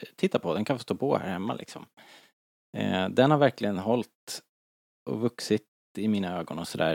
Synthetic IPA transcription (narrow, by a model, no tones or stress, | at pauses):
t̪ʰɪt̪ːapʰɔd̪ɛnkʰanfɔst̪oːpʰɔhæ̰ːɾhɛmːa̰lɪ̰ksɔ̰m | d̪ɛnhaɾvæɾklɪɡənɦɔlt̪ | ɔ̰vɵksɪt̪ | ɪmiːnaøːɡɔnɔsɔd̪æ̰ːɾ